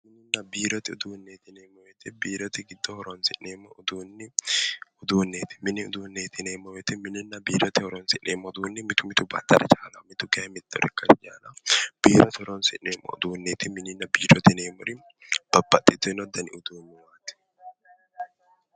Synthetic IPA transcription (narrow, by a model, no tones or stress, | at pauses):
mɪnːɪnːɐbiːɾɔt̪ɪʊd̪uːnːeːt̪ɪneːmːɔwɛt̪ɪbiːɾɔt̪ɪɡɪd̪ːɔhɔɾɔnsɪnːeːmːɔʊd̪uːnːɪ | ʊd̪uːnːeːt̪ɪ̥mɪnːɪʊd̪uːnːeːt̪ɪneːmːɔwɛt̪ɪmɪnɪnːɐbiːɾɔt̪ɪhɔɾɔnsɪʔeːmːɔʊd̪uːnːɪmɪt̪ʊmɪt̪ʊbɐ̰t̪ːɐɾɛ̰t͡ʃaːlɐmɪt̪ʊɡemɪt̪ːɔ̰ɾɛkːɐɾɪd͡ʒaːnɐb̥iːɾɔt̪ɪhɔɾɔnsɪnːeːmːɔ̰ʊ̰d̪uːnːeːt̪ɪmɪnɪnːɐbiːɾɔt̪ɪneːmːɔɾɪ | b̥ɐbːɐt̪ʼːɪt̪ːʊɪnɔd̪ɐnɪʊd̪uːnːɪwaːt̪ɪ̥